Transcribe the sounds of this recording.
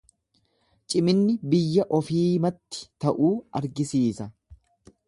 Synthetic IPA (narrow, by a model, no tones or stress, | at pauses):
t͡ʃʼɪmɪnːɪbɪjːɐʔɔfiːmɐt̪ːɪ̥t̪ɐʔuːɐɾɡɪsiːsɐ